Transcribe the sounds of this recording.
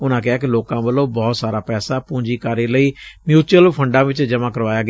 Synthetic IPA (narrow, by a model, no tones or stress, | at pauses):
ʊnãːk̬ɪɦaːk̬ɪloːkãːbəlõːbɔːt̪saːɾaːpɛːsaːpũːɲd͡ʒiːkaɾeːləiːmjuːt͡ʃuəlpʰəɳɖãːʋɪt͡ʃd͡ʒəmãːkəɾʋaːjaːɡ